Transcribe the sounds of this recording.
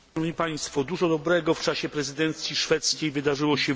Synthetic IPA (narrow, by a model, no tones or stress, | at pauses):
ɔvɲipaj̃st̪fɔd̪uʐɔd̪ɔbɾɛɡɔft͡ʂaɕɛpɾɛzɘd̪ɛnt̪sʲjiʂfɛt̪skʲejvɘd̪aʐɘwɔɕɛ